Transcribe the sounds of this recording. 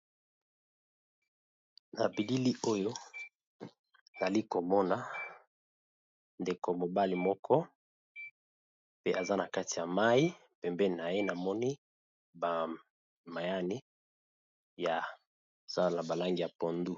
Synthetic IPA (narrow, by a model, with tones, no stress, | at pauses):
na˨bi˨li˦li˦o˦jo˦˨ | za˨li˦ko˨mɔ˦na˨ | nde˨ko˨mo˨ba˦li˨mɔ˦kʰɔ˦ | pe˦ʔa˨za˦na˨ka˦ti˨ja˨ma˦i˦ | pɛ˨mbɛ˦ni˨na˨je˦na˨mɔ˦ni˦ | ba˨ | ma˨ja˦ni˦ | ja˨ | z̥a˦˨na˨ba˨la˦ŋɡi˨ja˨po˨ndu˦